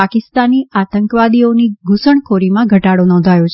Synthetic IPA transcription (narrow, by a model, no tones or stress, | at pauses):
akɪst̪aniʔat̪əŋkʋad̪ioniɡʱusəɳkʰoɾimãɡʱəʈaɽonɔ̃nd̪ʱajot͡ʃʰ